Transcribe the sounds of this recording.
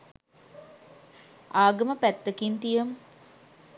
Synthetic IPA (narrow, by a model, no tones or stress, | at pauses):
aːɡəməpæt̪ːəkint̪ijəm